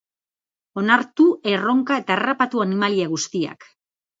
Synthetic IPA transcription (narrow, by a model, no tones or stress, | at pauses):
o̞naɾt̪ue̞ro̞ŋkae̞t̪aːrapat̪uanimaliaɣ̞ust̪ia̰k